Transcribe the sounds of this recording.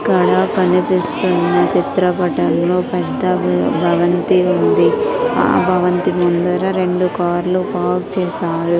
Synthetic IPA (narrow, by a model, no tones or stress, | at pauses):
kɐɽaːkɐnipist̪unːɐt͡ʃit̪ɾɐpɐʈɐlloːpɛd̪ːɐbʱɐʋɐnt̪iund̪ia̰ːbʱɐʋɐnt̪imund̪ɐɾɐɾe̞ɳɖukaːɾlupaːk̚t͡ʃɛːsaːɾu